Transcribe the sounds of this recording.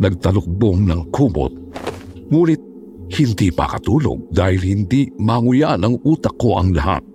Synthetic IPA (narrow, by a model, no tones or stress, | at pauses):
nɐɡ̚t̪ɐlʊk̚boŋnɐŋkʰuːmo̰t̪̚ | ŋuːnɪt̪̚ | hɪnd̪ipɐ̰kɐt̪uːlo̰ɡ̚d̪aːhɪlhɪnd̪imɐŋʊjaʔnɐŋʔuːt̪ɐkːo̞ʔɐŋlɐɦa̰t̪̚